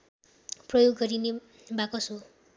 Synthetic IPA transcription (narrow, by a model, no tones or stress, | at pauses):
prʌjoɡːʌɾine | bakʌso